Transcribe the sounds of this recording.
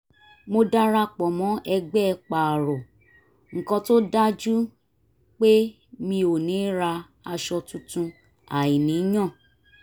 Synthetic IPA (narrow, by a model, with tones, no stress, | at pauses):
mo˧da˦ɾa˧k͡pɔ˨mɔ̃˨˦ɛ˧ɡ͡bɛ˦˧k͡pa˨ɾɔ˨ | ŋ̩˨kɔ̃˧to˦da˦d͡ʒu˦ | k͡pe˦ | mĩ˧o˨nĩ˨˦ɾa˧ | a˧ʃɔ˧tũ˦tũ˧ | a̰˨i˨nĩ˨˦j̃ã˦˨